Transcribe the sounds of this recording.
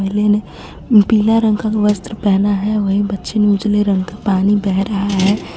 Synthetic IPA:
əɦlene | piːlaɾə̃ŋɡkakʋəst̪ɾəpɛɦnaɦɛʋəɦibətːʃɪnjud͡ʒleɾə̃ŋɡkapaːnibɛɦɾəɦaɦɛː

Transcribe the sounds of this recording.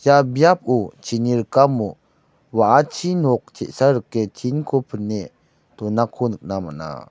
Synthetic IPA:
jabjap̚ut͡ʃʰiniɾəkamu | waʔat͡ʃʰinɔk̚t͡ʃɛʔsaɾəkːɛt͡ʃʰinkʰopʰənːe | tɔnakʰonɯk̚nama̰na̰

